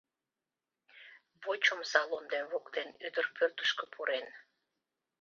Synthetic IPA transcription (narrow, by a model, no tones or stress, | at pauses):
βot͡ɕomsɑlond̪enβokd̪enyd̪ərpørt̪ə̥ʃkə̆pʰuɾʔen